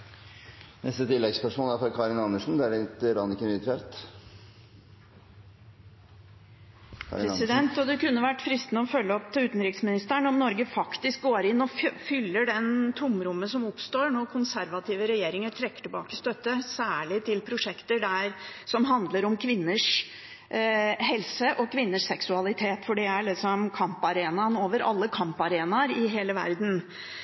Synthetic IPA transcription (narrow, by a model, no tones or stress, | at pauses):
nɛ̰st̪ət̪ʰɪlːɛɡspæʂuːnæɾfɔɾkʰɑːɾɪnɑnːəʂn̩d̪ɛæɾɛt̪ɾɑnɪkːənyt̪ʰɾeɾt̪ | ɾsɪd̪ɛnt̪ɔd̪ɛkʉnːəʋæʈːfɾɪst̪nəɔfœlːəɔp̚t̪ʰɪʉːt̪n̩ɾɪksmɪnɪst̪æɳɔmnɔɾɡəfɑkt̪ɪsk̚ɡoːɾɪnːɔfʏlːəɖɛnt̪ʰʊmɾʊmːəsɔmʊpst̪oːɾɳɔkʰʊnsæɾʋɑt̪ʰiːʋəɾɛjeːɾɪŋəʈʰɾɛkːə̥ʈɪbɑ̰ːkəst̪œt̪ːəsæːɭɪt̪ʰɪlpʰɾʊʂɛkt̪əɖæɾsɔmɦɑnd̪ləɾɔmkʰʋɪnːəʂ | ɦɛlsəʔɔkʰʋɪnːəʂsɛksʉɑlɪt̪ʰeːt̪fɔɖɛæɭɪksɔmkʰɑmpɑɾeːnɑnoːʋəɾʔɑ̰lːəkʰɑmpɑɾeːnɑɾɪɦeːləʋæ̰ɾd̪n̩